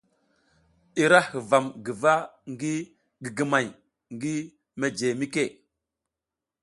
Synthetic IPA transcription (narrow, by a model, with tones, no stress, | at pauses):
i˨ɾa˦hə˨va˨mɡi˨va˦ŋɡi˦ | ɡi˨ɡə˨ma˨j | ŋɡi˦ | me˦d͡ʒe˨mi˦ke˦˨